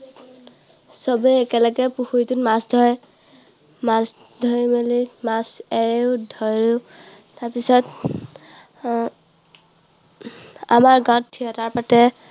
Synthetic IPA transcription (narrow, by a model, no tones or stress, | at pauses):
sɔbɛɛkɛlɔɡɛpuxuɹitutmasdʱɔj | mas | dʱɔjmelimasɛɹeʊdʱɔjɹu | taɹpisɔt | amaɹɡãttʰːijɔtaɹpatɛ